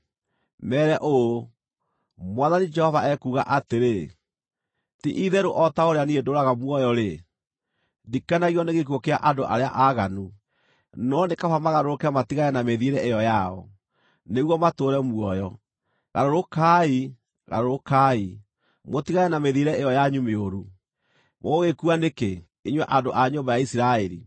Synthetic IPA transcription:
mɛːɾɛʔoo | mwaðanid͡ʒɛhɔvaɛkuɣa̰ʔateɾe | tiʔiðɛɾoʔɔtaoɾeaniedoɾaɣamwɔjɔɾe | dikanaɣiɔneɣek̬wɔkea̰ʔadoʔa̰ɾea̰ʔaɣanu | nɔnekafamaɣaɾoɾokeamatiɣaɛnameðiɾɛʔejɔjaɔ̰ | neɣwɔmatoɾɛmwɔjɔ | ɣa̰ɾoɾokai | ɣa̰ɾoɾokai | motiɣaɛnameðiɾɛejɔjaɲumeoɾu | moɣekuaneke | iɲwɛʔandoʔaɲombajaisiɾaɛɾḭ

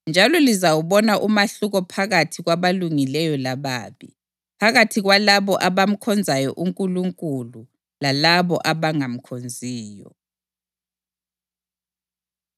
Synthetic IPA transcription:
nd͡ʒʱalɔlizawuβɔnaʔumaɬuɣɔpʰaɣatʰiɣwaβaluŋilɛjɔlaβa̰ːβḭ | pʰaɣatʰiɣwalaβɔʔaβam̩kʰɔnd͡zʱajɔʔuŋkʼuluŋkʼulu | lalaβɔʔaβaŋam̩kʰond͡zʱiːjɔ̰

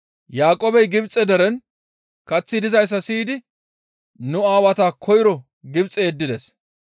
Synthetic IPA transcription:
jaːkʼoːbɛjɡɪbt͡sʼːɛd̪ɛɾɛn | kɐt͡sːɪd̪ɪzɐjs̬ːɐsiːd̪ɪ | nʊaːwɐt̪aːkʰɔjɪɾɔ | ɡɪbt͡sʼːɛɛd̪ːɪd̪ɛs

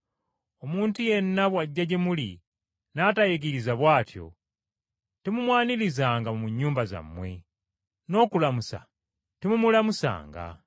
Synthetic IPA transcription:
omuːntuje̞nːaβwaɟːaɟemulḭ | naːtajeɡiɾizaβwaːtjo̞̰ | temumwaːnilizaːŋɡamumuɲːuːmbaza̰mːwe̞̰ | no̞ːkulamusa̰ | temumulamusa̰ːŋɡa̰

